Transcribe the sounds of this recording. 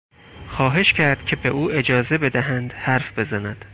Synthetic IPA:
xɒːɦe̞ʃcʰæɾd̪̥cʲʰe̞beʔuːʔe̞d͡ʒɒːze̞be̞d̪æɦænd̪hæɾfbe̞zænæd̪̥

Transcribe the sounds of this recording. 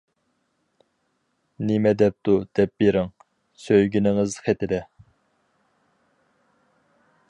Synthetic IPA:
nɪmɛd̪ɛp̚t̪ʰud̪̥ɛp̚beɾɪŋ | søjɡʲinɪŋɨzχʰɛt̪ɪd̪ɛ

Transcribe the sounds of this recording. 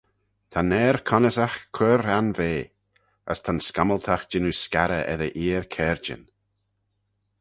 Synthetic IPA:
t̪ʰanɛːɾkʰɔnəsaxkʰwəɾanveː | ə̰st̪ʰanskaməlˠt̪ʰaxd͡ʒɪnuskaɾə̰ʔɛ̰ðəʔiːəɾkʰɛːɹd͡ʒə̰n

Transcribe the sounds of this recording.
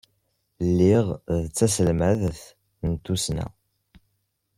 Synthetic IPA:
lːiʁðt͡sːæsəlmæðθ | nt̪ːusnæ̰

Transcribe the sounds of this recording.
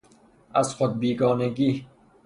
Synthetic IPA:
æzxod̪̚biːɡɒːneɡiː

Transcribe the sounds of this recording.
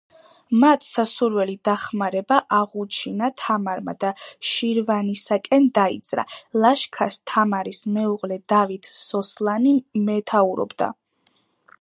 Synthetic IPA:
mat̪ʰsasuɾwɛlid̪aχmaɾɛbaʔaʁut͡ʃʰinat̪ʰamaɾma̰d̪aʃiɾvanisakʼɛnd̪aḭt̪sʼɾa̰lˠaʃkʰast̪ʰamaɾismɛuʁlɛd̪avit̪ʰsɔslˠanimɛt̪ʰauɾɔ̰bd̪a̰

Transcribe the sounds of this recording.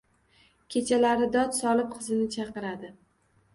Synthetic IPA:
kʲʰe̞t͡ʃʰalaɾɪd̪ɒt̪sɒlˠɪp̚qʰɨzɪnɪt͡ʃʰɑqɨɾad̪ɪ

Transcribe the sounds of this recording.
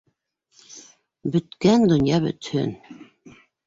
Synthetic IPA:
bɵ̆t̪kænd̪ŏnjɑbɵ̰t̪hɵ̰n

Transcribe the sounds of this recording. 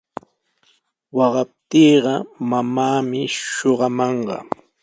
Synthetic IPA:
wɑɢɑp̚t̪iːɢɑmamaːmɪʃoɢɑmɑɴɢɑ̰

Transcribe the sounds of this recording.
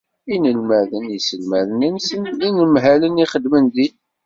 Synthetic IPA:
inəlmæðənisəlmæðnənsəninəmɦæləniχəd̪mənði

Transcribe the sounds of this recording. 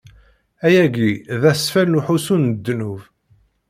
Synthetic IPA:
æjæɡiðæsfælnuħusunəd̪ːnuv

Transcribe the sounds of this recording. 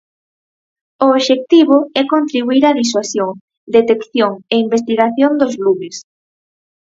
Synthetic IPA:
oːβʃek̚t̪iβ̞ʊɛkont̪ɾiβuiɾaðiswasjoŋ | d̪et̪ekθjoŋeimbes̬t̪iɣaθjond̪ozluβɪs

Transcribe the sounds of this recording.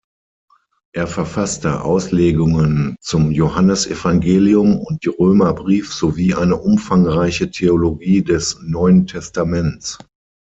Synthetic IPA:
ʔeːɐfɛɐfastə̰ʔa̰ʊsleːɡʊŋənt͡sʊmjohanəsɛfaŋɡeːliʊmʊnt̚d̥iːʁøːmɐbʁiːfz̥oviːʔaɪnəʔʊmfaŋʁaɪçətʰeoloɡiːdɛsnɔʏəntʰɛstamɛnt͡s

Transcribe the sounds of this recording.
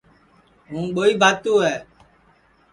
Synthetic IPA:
ɦũːɓoːiːbʱaːt̪uːɦɛː

